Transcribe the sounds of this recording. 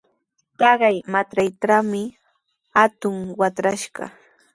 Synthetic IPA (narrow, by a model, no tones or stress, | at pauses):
t̪ɑɢɑjmat̪ɾajt̪amɪ | hat̪ʊŋwat̪ɾaʃɢɑ̰